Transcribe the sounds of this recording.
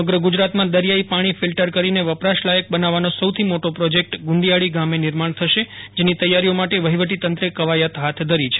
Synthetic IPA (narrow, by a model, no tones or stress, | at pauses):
səməɡɾəɡud͡ʒɾat̪mãd̪əɾjaipaɽ̃ifɪlʈəɾkəɾineʋəpɾaʃlajək̚bənaʋanosəwt̪ʰimoʈopɾɔd͡ʒek̚ʈɡʊ̃nd̪ijaɭiɡamenɪɾmaɳ̃t̪ʰəʃed͡ʒenit̪əjaɾijomaʈeʋəɦiʋəʈit̪ənt̪ɾekəʋajat̪ɦat̪ʰd̪ʱəɾit͡ʃʰe